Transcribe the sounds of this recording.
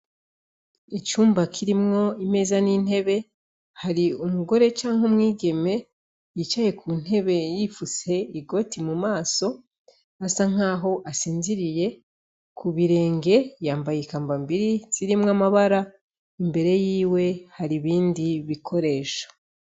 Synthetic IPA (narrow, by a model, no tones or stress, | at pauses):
it͡ʃuːmbakʰiɾimŋo̞ime̞ːzanin̥e̞βe̞ | haɾiumuɡo̞ɾe̞t͡ʃaːŋhumŋiːɡe̞me̞ | jit͡ʃaje̞kʰuːn̥he̞βe̞jifuse̞iɡo̞timumaːso̞ | asaŋ̥aːɦo̞ʔasiːnziɾije̞ | kʰuβiɾe̞ːŋɡe̞jaːmbajekaːmbambiɾiz̥iɾimŋamaβaɾa | imbe̞ɾe̞jiːwe̞haɾiβiːndiβikʰo̞ɾe̞ːʃḁ